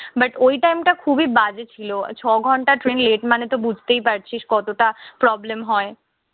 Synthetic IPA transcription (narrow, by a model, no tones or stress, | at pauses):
baʈojʈajmʈakʰubibad͡ʑet͡ɕʰilot͡ɕʰɔɡʱɔɳʈaʈɾenleʈmanet̪obud͡ʑʱt̪ejpaɾt͡ɕʰiʃkɔt̪oʈapɾɔblemɦɔe